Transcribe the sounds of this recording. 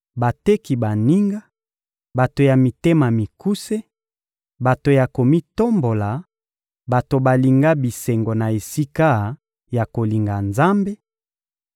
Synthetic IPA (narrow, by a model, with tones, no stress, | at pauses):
ba˨te˦ki˨ba˨ni˦ŋɡa˦ | ba˨to˨ja˨mi˨te˦ma˨mi˨ku˦se˦ | ba˨to˨ja˨ko˨mi˦to˦mbo˨la˨ | ba˨to˨ba˨li˨ŋɡa˦bi˨sɛ˨ŋɡo˨na˨e˨si˦ka˦ | ja˨ko˨li˨ŋɡa˨nza˦mbe˦